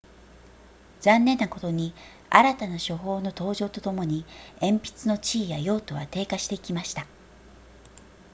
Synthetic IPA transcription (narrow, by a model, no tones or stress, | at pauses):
d͡zãnːẽ̞nːako̞t̪o̞ɲ̟i | a̰ɾat̪anaɕo̞ɦo̞ːno̞t̪o̞ːʑo̞ːt̪o̞t̪o̞mo̞ɲ̟iẽ̞mpʲi̥t͡sɨno̞t͡ɕiːjajo̞ːt̪o̞βa̰t̪e̞ːkaɕi̥t̪e̞ikʲimaɕi̥t̪a